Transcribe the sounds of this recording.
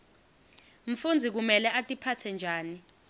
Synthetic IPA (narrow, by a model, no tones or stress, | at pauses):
m̩fund͡zʱik̬umɛlɛʔatʼipʰat͡sʰɛnd͡ʒʱaːni